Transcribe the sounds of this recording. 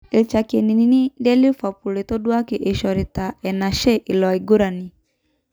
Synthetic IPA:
e˨t͡ʃa˨ke˨ni˨ni˨ni˦dɛ˦li˦fa˨pu˨le˨to˦dwa˦ke˨ʔe˨ʃɔ˨ɾe˨ta˨ɛ˨na˨ʃɛ˦ʔɪ˨lɔ˨i˨ɡo˦ɾa˨ni˨

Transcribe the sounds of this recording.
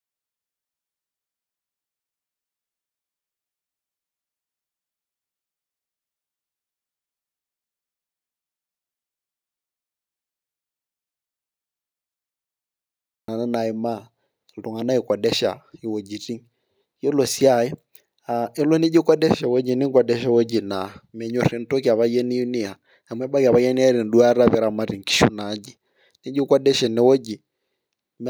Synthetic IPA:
a˨na˦na˨ɪ˨ma˦˨ | lu˨ŋa˨na˦i˨kwɔ˨dɛ˦ʃa̰˨ji˨wo˨d͡ʒi˨ti˦ŋ | jo˦lo˨si˦a˦˨ji˦ | a˨ɛ˦lɔ˦ni˦d͡ʒi˦kwɔ˦dɛ˦ʃɛ˨wɔ˦d͡ʒi˨ni˦ŋ˦kwa˨dɛ˦ʃa˦wo˦d͡ʒi˨na˨mɛ˨ɲɔ˨ɾɛ˨n̩˦to˦ki˨a˨βa˦jɛ˦ni˦ju˦ni˦a˨ | a˨mwɛ˦ba˦ka˨βa˦jɛ˦n˦a˦ɾi˨n̩˨du˦a˦ɾa˦βɛ˨ɾa˨ma˦ɾi˨ŋki̥˦ʃṵ˦na˨˦d͡ʒi˨ | ni˦d͡ʒi˦kɔ˦dɛ˦ʃɛ˨nɛ˨˦wɔ˦d͡ʒi˨ | m

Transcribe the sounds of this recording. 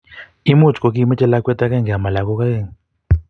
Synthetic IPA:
i˦mu˦˨t͡ʃkɔ˨k̬i˦mɛ˦t͡ʃɛ˦la˦kwɛ˦ta˦ka˦˨ŋɡa˨ma˨la˨kɔ˦ka˦e˦˨ŋ

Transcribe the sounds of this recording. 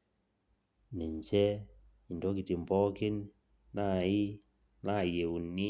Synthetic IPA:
nɛ˨ɲt͡ʃɛ˦ | i˨ndɔ˨˦ki˨ti˨m˨bɔ˦ke˦n | na˦˨i˦ | na˦˨je˨u˨ni˦

